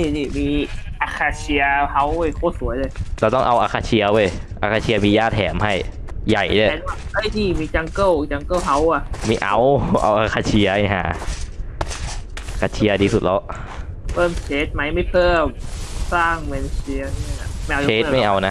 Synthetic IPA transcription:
ni˧˩niː˧˩miː˧ʔa˧˩kʰaː˧t͡ɕʰi˧ɐha˧˥wjkʰoː˧˩su˨˩˦ɐ˦jlɤː˧jlaː˧t̪ɔ˥˩ŋʔa˧wʔaː˧kʰaː˧t͡ɕʰi˧ɐwoː˧˩jʔa̰ː˧˩kʰaː˧t͡ɕʰi˧ɐ˧miː˧jaː˥˩t̪̚hɛː˩˦mha˥˩jːa˨˩jdaː˧˩˨na˧˥˩ʔɤː˧˥˩jniː˧˩miː˧t͡ɕa˧ŋkɤ˥˩wt͡ɕa˧ŋkɤː˥˩wɦa˧˥wa˧˩mi˧˩ʔa˧wʔa̰˧wʔaː˧˩kʰaː˧t͡ɕʰi˧ɐha˧˩ɦa̰ː˨˩˦ | kʰaː˧t͡ɕʰi˧ɐ˧diː˧su˨˩t̪̚lɔ˧˦˥wʔ | pʰɤː˥˩˨msʰeː˨˦˥t̪̚ma˦˥jma˥˩jpʰɤː˥˩msaː˥˩ŋme˧nsi˧ɐ˧n˧˩˧a˧˩ma˥˩˨ʔa˧eː˦˥˧ma˥˩jʔa˧wna˦˥

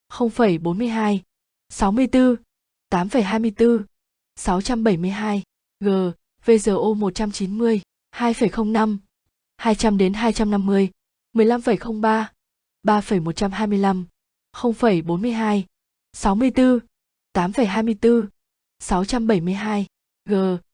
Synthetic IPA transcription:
xə˧wŋ͡mfə˧˩jɓo˨˦nmɨ˧əjɦaː˧j | sa˨˦wmɨ˧əjt̪ɨ˧ | t̪aː˨˦mfə˧˩jɦaː˧jmɨ˧əjt̪ɨ˧ | sa˨˦wt͡ɕa˧mɓə˧˩jmɨ˧əjɦaː˧j | ɣəː˨˩ | ve˧zəː˨˩ʔo˧mo˨˩t̚t͡ɕa˧mt͡ɕi˨˦nmɨ˧əj | haː˧jfə˨˩jxə˧wŋ͡mna˧m | haː˧jt͡ɕa˧mɗe˨˦nɦaː˧jt͡ɕa˧mna˧mːɨ˧əj | mɨ˨˩əjla˧mfə˧˩jxə˧wŋ͡mɓaː˧ | ɓaː˧fə˧˩jmo˨˩t̚t͡ɕa˧mhaː˧jmɨ˧əjla˧m | xə˧wŋ͡mfə˧˩jɓo˨˦nmɨ˧əjɦaː˧j | sa˨˦wmɨ˧əjt̪ɨ˧ | t̪aː˨˦mfə˧˩jɦaː˧jmɨ˧əjt̪ɨ˧ | sa˨˦wt͡ɕa˧mɓə˧˩jmɨ˧əjɦaː˧j | ɣəː˨˩

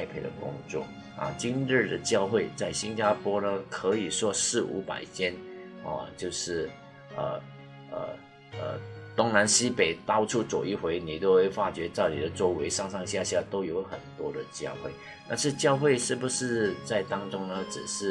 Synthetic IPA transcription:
a˥ɪpʰe˧˥ɪdə̰˨˩kʊ̰˥ŋt͡swɔ̰˥˩ | ɐ̰˨˩t͡ɕi˥nɻɻ̩˥˩d̪ə˩t͡ɕjɑ˥˧ʊxwe˥˧ɪt͡sa˥˩ɪɕi˥nt͡ɕja˥pʰwɔ˥nə˧kʰɤ˧˥i˨˩ʂwɔ˥sɻ̩˥˩ṵ˧˥pa̰˨˩ɪt͡ɕʰjɛ˥n | ə̰˧t͡ɕjo˥˧ʊʂɻ̩˥˩ | ə̰˩ | ə̰˩ | ə̰˩t̪ʊ˥ŋna˧˥nɕi˥pe˨˩ɪt̪ɑ˥ʊʈ͡ʂʰu˥˩t͡sɔ˨˩i˥˩xwe˧˥ɪni˨˩t̪jo˥˧ʊxwe˥˩ɪfa˥t͡ɕɥɛ˧˥t͡sa˥˩ɪni˨˩ə˦t͡so˥ʊwe˧˥ɪʂɑ˥˧ŋʂɑ˥˧ŋɕja˥˧ɕja˥˧t̪o˥ʊjo˧˥ʊxə̰˨˩nt̪wɔ˥d̪ə˨t͡ɕjɑ˥˧ʊxwe˥˩ɪ | t̪a˥˧nʂɻ̩˥˧t͡ɕjɑ˥˧ʊxwe˥˧ɪʂɻ̩˥˩bu˩ʂɻ̩˥˧t͡sa˥˩ɪt̪ɑ˥ŋʈ͡ʂʊ˥ŋnə˧ʈ͡ʂɻ̩˨˩ʂɻ̩˥˩

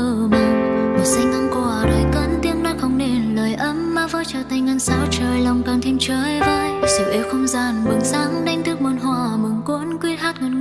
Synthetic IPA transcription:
əː˧˩ma˨˩nmo˨˩si˧ŋ̟na˧ŋkɔ˧˩ɾəː˨˩jkə̰˧˥nt̪i˧əŋna˧˥xə˧˩wŋ͡mne˧˩nləː˨˩jʔə˧˦mːaː˨˩və̰ː˧˦t͡ɕəː˧˩t̪a˨˧˩jŋŋə˧˩nsa̰ː˧˦˥wt͡ɕəː˨˩jla˨˩wŋ͡mkaː˨˩ŋt̪ʰi˧əmt͡ɕəː˧˦jvəː˧˦jsə˨˩wʔi˨˦wxə˧wŋ͡mzaː˧˨˩nmu˨˦ənzaː˨˦˥ŋna˧jŋ̟t̪ɨ˦˥ək̚mə˨˧˩nɦwa̰ː˧˩mɨ˨˩nkwu˧˥ənkwi˧ət̚haː˦˥t̚ŋə˨˩n

